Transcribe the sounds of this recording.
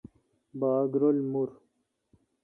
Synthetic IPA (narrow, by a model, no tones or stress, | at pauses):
baːɡɾolmuɾ